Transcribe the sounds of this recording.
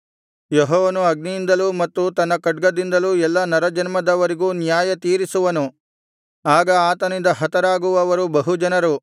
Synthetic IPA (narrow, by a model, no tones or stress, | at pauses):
jɔɦɔːʋɐnuɐɡnijind̪ɐlumɐt̪ːut̪ɐnːɐkɐʈ̚ɡɐd̪ind̪ɐluɛlːɐnɐɾɐd͡ʒɐnmɐd̪ɐʋɐɾiɡuːnjaːjɐt̪iːɾisuʋɐnu | aːɡɐaːt̪ɐnind̪ɐɦɐt̪ɐɾaːɡuʋɐːʋɐɾubɐɦud͡ʒɐnɐɾu